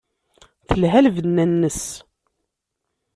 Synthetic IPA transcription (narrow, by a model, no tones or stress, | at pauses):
θəlɦælvənːænːəs